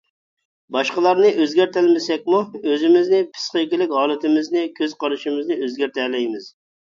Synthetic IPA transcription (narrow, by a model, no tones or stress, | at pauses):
bɑʃqəlˠɑɾnɪʔøzɡʲæɾt̪ælmɪsɛk̚ʲmuøzɪmɪznɪpʰɨ̥sqɨkʲɪlɪkʲɦɑːlˠɨt̪ʰɪmɪznɪkʲʰøz̥qɑɾɨʃɪmɪznɪøzɡʲæɾt̪ʰɛlɛjmɪz̥